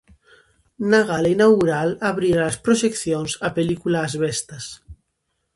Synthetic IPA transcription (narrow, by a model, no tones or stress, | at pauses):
naɣaleinawɣuɾalaβɾiɾaləspɾoʒekθjonzapelikulaːzβɛst̪as